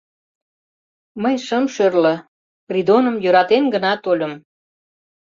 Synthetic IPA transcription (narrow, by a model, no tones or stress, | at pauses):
məjʃəmʃørlə̆ | rid̪onəmjøɾɑt̪enɡənɑt̪olʲə̆m